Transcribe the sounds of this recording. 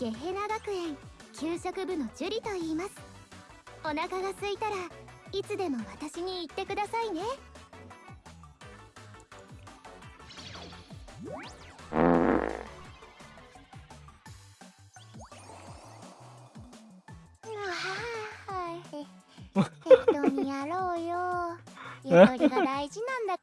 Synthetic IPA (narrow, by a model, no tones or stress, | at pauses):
ɡ̥e̞ɦe̞naɡakɯ̟ẽ̞ŋkʲɨːɕokɯ̟bɯ̟no̞d͡ʑɨɾʲit̪o̞iːmasɨ̥ | o̞nakaɡasɨit̪aɾait͡sɨd̪e̞mo̞βat̪aɕiɲ̟iːt̪ːe̞kɯ̟d̪asaine̞ | ahai | eoɲ̟ijaɾoːjo | jɯoɾɡad̪aiʑinãnd̪a